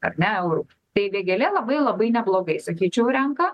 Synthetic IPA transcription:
ɐ̰rnʲɛɛʊɾu | t̪eɪʋʲeɛɡʲɛlʲɛlˠɐbɐɪlˠɐbɐɪnʲɛblˠoːɡɐɪsɐkʲiːt͡ʃʲɛʊɾʲɛŋkɐ

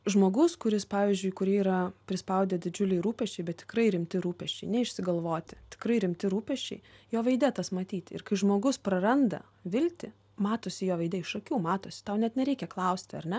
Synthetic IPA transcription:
ʒmoːɡʊskʊɾʲɪspɑːʋʲiɪzʲd͡ʒʲʊɪkʊɾʲiːiɾɐpʲɾʲɪspɐʊd̪ʲɛd̪ʲɪd͡ʒʲʊlʲɛɪɾuːpʲɛʃʲt͡ʃʲɛɪbʲɛt̪ʲt̪ʲɪ̥krɐɪɾʲɪmʲt̪ʲɪɾuːpʲɛʃʲt͡ʃʲɛɪnʲɛɪʃʲsʲɪɡɐlˠʋoːt̪ʲɪ̥t̪ʲɪ̥kɾɐɪɾʲɪmʲt̪ʲɪɾuːpʲɛʃʲt͡ʃʲɛɪjoːʋɐɪd̪ʲɛt̪ɐsmɐt̪ʲiːt̪ʲɪ̰ɾkɐɪʒmoːɡʊspɾɐrɐnd̪ɐ̰ | ʋʲɪlʲt̪ʲɪ | mɑːt̪oːsʲɪjoːʋɐɪd̪ʲɛɪʃɐkʲuːmɑːt̪oːsʲɪ̥t̪ɐʊnʲɛt̪nʲɛɾʲɛɪkʲɛklˠɐʊsʲt̪ʲɪɐ̰ɾʲnʲɛ

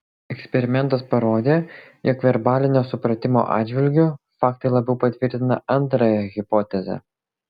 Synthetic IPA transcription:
ɛksʲpʲɛɾʲɪmʲɛnt̪ɐspɐɾoːd̪ʲeːjoːkʋʲɛɾbɑːlʲɪnʲoːsʊpɾɐt̪ʲɪmo̰ːʔɑ̰ːd̪d͡ʒʲʋʲɪlʲɡʲʊ | fɑːkt̪ɐɪlˠɐbʲɛʊpɐt̪ʲʋʲɪɾʲt̪ʲɪnɐ̰ɐnt̪ɾɐjɛɣʲɪpɔːt̪ʲɛzʲɛ̰

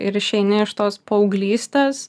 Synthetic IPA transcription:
ɪɾɪʃʲɛɪnʲɪɪʃt̪oːspɐʊɡlʲiːst̪eːs

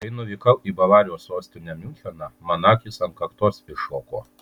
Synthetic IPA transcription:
ɐɪnʊʋʲiːkɐʊʔiːbɐlɑːɾʲɪjoːsoːsʲt̪ʲɪnʲɛmʲuːt̪ʲɛnɑmɐnɑːkʲɪsɐnkɐkt̪oːsɪʃoːko̰ː

